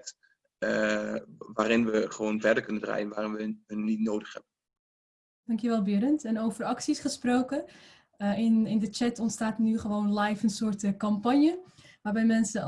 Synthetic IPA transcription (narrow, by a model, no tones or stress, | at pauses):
k̚t | ʋaːɾɪnʋəχəʋownvɛɹdəɹkɵnəndra̰ːjənʋaːrɪnʋəənːitnowdəχhɛbən | d̥ɑŋkjəʋɛlˠbɪɾəntɛnowvərɑksisχəsprowkə | ɪnɪndət͡ʃɛtɔntstaːtnyχəʋownlajfənsʊːrtkɑmpɑnjə | ʋaːɹbɛjmɛnsə